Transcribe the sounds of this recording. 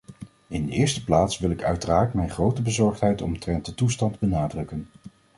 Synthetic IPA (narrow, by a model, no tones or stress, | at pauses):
ɪndəɪːɹstə̥plaːtsʋɪlˠɪkœ̰ɥtəraːɹtmɛjnχrowtəbəzɔɹχtɦɛjtɔ̰mtrɛnt̚dətustɑndbənaːdrɵkən